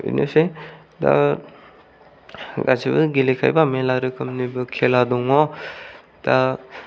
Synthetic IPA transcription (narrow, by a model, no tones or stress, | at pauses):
ḭnɯse | da̰ | ɡa̰zibɯɡilekʰa̰jbamelaɾɯkʰɯmnibɯkʰeladɔŋɔ | d̥a